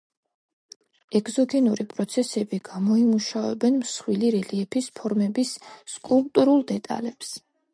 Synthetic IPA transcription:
ɛɡzɔɡɛnuɾipʼɾɔt̪sʰɛsɛbiɡ̥amɔimuʃavɛ̰bɛnmsχwiliɾɛliɛpʰispʰɔɾmɛbisːkʼulˠpʼt̪ʼuɾulˠd̪ɛt̪ʼa̰lɛps

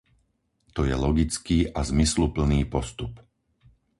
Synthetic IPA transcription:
t̪ɔjɛlɔɡit͡skiːʔazmislupl̩niːpɔst̪up

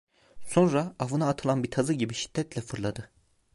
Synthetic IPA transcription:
so̞nɾaavɯnaːt̪ʰɯlˠanbit̪ʰazɯɟibiʃi̥d̪̥ːɛt̪lʲɛfɯɾlˠad̪ɯ

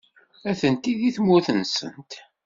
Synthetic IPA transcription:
æθənt̪iðiθmːʊθənsə̰nt̪

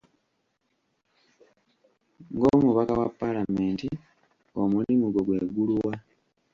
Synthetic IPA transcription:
ŋɡo̞muβakawapːalameːnti | o̞mulimuɡoɡwe̞ːɡulwa

